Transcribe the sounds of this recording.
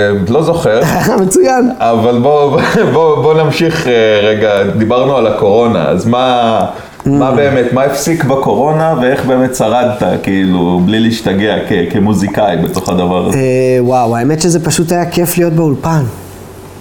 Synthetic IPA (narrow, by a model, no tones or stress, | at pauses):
lo̞zo̞χeʁ | amet͡sujanavalbo̞bobo̞namʃiχeʁeɡad̪ibaʁnualako̞ʁo̞na̰a̰zma | mmabe̞ːmet̪maefsikbako̞ʁo̞navee̞χbe̞ːme̞t̪saʁad̪t̪akeilubliliːʃtaɡeakekemuzikajbe̞t̪o̞χad̪avaʁazwawaemetʃezepaʃutajake̞flijo̞t̪̚beulpan